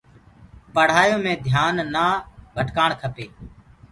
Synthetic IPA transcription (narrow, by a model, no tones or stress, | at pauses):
pəɽ̤aːjõːmẽːd̪ʱjaːnːaːbʱəʈkaːɳkʰəpeː